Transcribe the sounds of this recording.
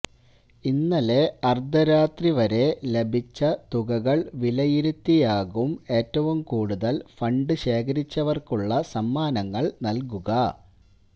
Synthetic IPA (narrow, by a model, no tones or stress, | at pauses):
inːɐle̞ɐrd̪ɐɾaːt̪riʋɐɾe̞le̞bʱit͡ɕːɐt̪uɣɐɣɐɭʋilɐjiɾut̪ːijaːɣume̞ːtːɐʋumkuːɽuðɐlfɐɳɖɨɕe̞ːkɐɾit͡ɕːɐʋɐrkuɭːɐsɐmːaːnɐŋːɐɭnɐlkuɣɐ